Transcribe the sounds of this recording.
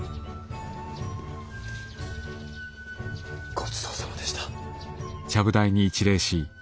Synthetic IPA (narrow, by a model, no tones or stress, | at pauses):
ɡ̥ot͡sɨ̥t̪oːsomod̪eɕi̥t̪ḁ | t͡ɕaβɯ̟d̪aiɲ̟iːt͡ɕiɾe̞ːɕi